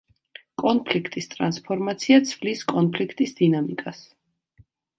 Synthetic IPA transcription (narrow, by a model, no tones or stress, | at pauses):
kʼɔnpʰlikʰt̪ʼist̪ʼɾanspʰɔɾmat̪sʰiat̪sʰvliskʼɔnpʰlikʰt̪ʼisd̪inamikʼas